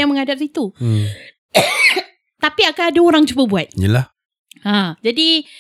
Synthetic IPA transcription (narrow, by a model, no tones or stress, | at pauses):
aŋməŋadap̚sit̪u | t̪apiakaadaoɾaŋt͡ʃubəbuat̪̚jə̰lah | ad͡ʒadi